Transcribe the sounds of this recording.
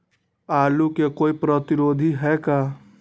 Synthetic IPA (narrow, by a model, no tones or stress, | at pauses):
aːlukekoːipɾət̪ɪɾoːd̪ʱiɦɛkaː